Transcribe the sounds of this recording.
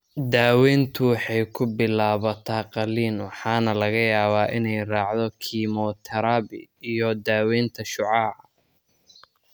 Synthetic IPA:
d̪aːwɛːnt̪ʰʊwɑħɑjkʰʊbɪlaːβɐt̪ʰaːqɑliːnwɑħɑːnɐlɐɣɐjaːβaːʔɪnɛjrɑːʕd̪ɔkʰiːmɔːt̪ʰɐɾaːbɪ̰ijɔd̪aːwɛːnt̪ʰɐʃʊʕɑːʕ

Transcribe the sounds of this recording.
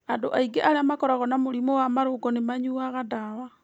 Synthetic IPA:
andoʔaiɡeʔaɾeamakɔɾaɣɔnamoɾimowamaɾoɡɔnemaɲuaɣadawa

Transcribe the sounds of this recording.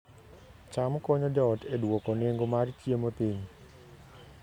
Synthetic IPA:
t͡ʃamkɔɲɔdɔtʰedwokoneŋɡomartjemopiɲ

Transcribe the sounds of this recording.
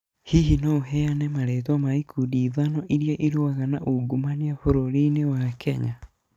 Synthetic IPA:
hiɦinaoɦɛanɛmaɾɛtamaikudiːðanɔʔiɾjɔʔiɾoaɣanaʔoɡumaniafoɾoɾinewakʰɛɲa

